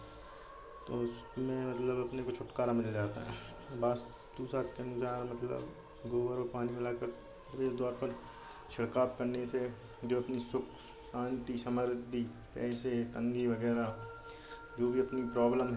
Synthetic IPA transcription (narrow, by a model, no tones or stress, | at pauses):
t̪osmɛ̃ːmɐt̪ləbɐpnekot͡ʃʰʊʈkaːɾamɪld͡ʒaːt̪a̰ɦɛ̃ː | baːs | t̪uːsaːt̪kensaːɾmɐt̪lə̰b | ɡoːbəɾopaːnimɪlaːkəɾ | ɾeːsd̪ɔːɾpəɾ | t͡ʃʰɐɽkaːp̚kɐɾnese | d͡ʒoːɐpnisʊkʰ | sãːnt̪isəməɾd̪ʱi | pɛ̰ːset̪ɐ̃ŋɡiʋɐɡɛːɾa | d͡ʒoːbʱiɐpnipɾɔːbləmɦ